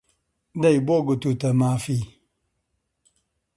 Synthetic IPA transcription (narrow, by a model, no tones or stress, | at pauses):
daibɔɡɨtutəmafi